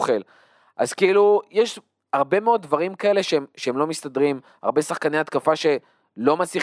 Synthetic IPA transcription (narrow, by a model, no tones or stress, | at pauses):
χel | ʔa̰zkeilujeʃ | haʁbe̞meo̞d̚dvaʁimkae̞le̞ʃeemʃeemlo̞mistadʁim | ha̰ʁbe̞saχkaneat̪kafaʃe̞ | lo̞masi